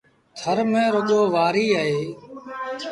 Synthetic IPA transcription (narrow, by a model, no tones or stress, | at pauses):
t̪ʰəɾmẽːɾʊɠoːʋaːɾiːaːɦeː